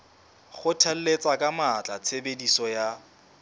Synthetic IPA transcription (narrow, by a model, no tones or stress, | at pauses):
χʊtʰɛl̩let͡sʼakʼamat͡ɬʼat͡sʰebedisɔja